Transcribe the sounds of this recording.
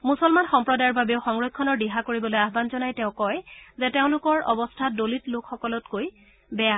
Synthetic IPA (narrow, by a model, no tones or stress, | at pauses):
musɔlmanxɔmpɹɔdajɔɹbabeʊxɔŋɹɔkʰːɔnɔɹdiɦakoɹibɔlojaɦbanzɔnajteʊ̃kɔjzɛteʊ̃lʊkɔɹʔɔ̰bɔstʰadolitlokʰxɔkɔlɔtkoj | bɛja